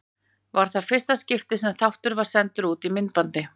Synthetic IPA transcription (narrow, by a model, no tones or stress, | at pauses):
vaɾ̥θaðfɪr̥st̪ascɪft̪ɪsɛmθawht̪ʏɾvaɾ̥sɛnt̪ʏɾuːt̪imɪnt̪̚pant̪ɪ